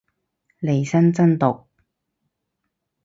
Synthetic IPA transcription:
le˨˩jsɐ˥nt͡sɐ˥nt̪ʊ˨k̚

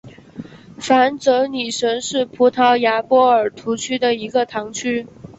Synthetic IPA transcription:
fa˧˥nt͡sɤ˧˥ni˨˩ʂə˧˥nʂɻ̩˥˩pʰu˧˥t̪ʰɑ˧˥ʊja˧˥pwɔ˥ə˞˨˩t̪ʰu˧˥t͡ɕʰy˥d̪ə˨i˧˥ɡə˧t̪ʰɑ˧˥ŋt͡ɕʰy˥

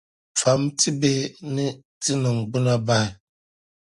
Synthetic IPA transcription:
fa˨˦mtʰi˦be˦nɨ˦ | tɨ˦nɨ˨ŋ˨ɡ͡bɨ˦na˦ba˦˨ɪ˨

